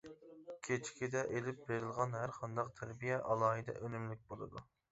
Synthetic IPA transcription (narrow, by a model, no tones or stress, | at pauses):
kʲʰet͡ʃʰkʲʰid̪ɛʔelɪp̚beɾɪlˠʁɑnɦæɾqʰɑnd̪ɑqt̪ʰæɾbijɛʔɑlˠɑːɦɨd̪ɛ̰ʔønymlɪk̚ʲbolˠɨ̰d̪u